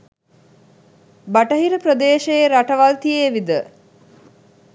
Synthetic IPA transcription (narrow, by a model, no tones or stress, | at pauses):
baʈəɦiɾəpɾəd̪eːʃejeɾaʈɐʋalt̪ijeːʋid̪ə